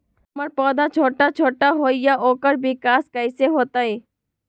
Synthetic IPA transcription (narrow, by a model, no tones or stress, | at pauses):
məɾpɔːd̪at͡ʃʰoːʈat͡ʃʰoːʈaɦoːijaʔoːkəɾbɪkaːskəɪseɦoːt̪aeː